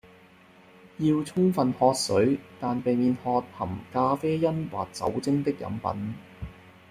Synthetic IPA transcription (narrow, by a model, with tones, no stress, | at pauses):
jiː˧wt͡sʰʊ˥ŋfɐ˨nhɔː˧t̚sɵ˨˥ɥt̪aː˨npe˨jmiː˨nhɔː˧t̚hɐ˨˩mkaː˧feː˥jɐ˥nwa̰ː˨k̚t͡sɐ̰˨˥wt͡sɪ˥ŋt̪ɪ˥k̚jɐ̰˨˥mpɐ̰˨˥n